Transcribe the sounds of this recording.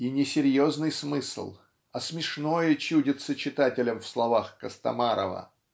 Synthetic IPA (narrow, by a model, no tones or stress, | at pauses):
inʲɪsʲɪɾʲjoznɨjsmɨslˠ | ɐsmʲɪʂno̞jət͡ɕudʲɪt̪sət͡ɕɪt̪atʲɪlʲəmfslˠɐvaxkəst̪ɐ̰maɾə̰və̰